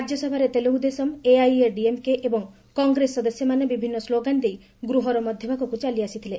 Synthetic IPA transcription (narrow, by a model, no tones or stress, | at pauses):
ɾad͡ʒjɔsɔbʱaɾet̪eloud̪esɔmeajeɾɖiemkeʔebɔŋ | kɔŋɡɾesɔd̪esjɔmanebibʱinːɔsloɡand̪ej | ɡɾuɦɔɾɔmɔd̪ʱjɔbʱakɔkut͡ʃaliasit̪ʰile